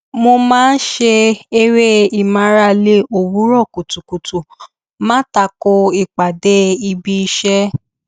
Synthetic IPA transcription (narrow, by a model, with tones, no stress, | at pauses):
mo˧mãː˦n̩˦ʃe˧e˧ɾe˦i˨mã˨˦ɾa˧le˦o˨wu˨˦ɾɔ˦˨ku˨tu˨ku˨tu˨ | mãː˦ta˧ko˧i˨k͡pa˨de˦i˧bi˧i˧ʃɛ˦